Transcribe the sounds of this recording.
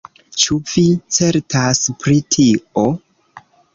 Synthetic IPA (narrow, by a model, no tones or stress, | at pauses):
t͡ʃuvit͡se̞ɾtaspɾitʰio̞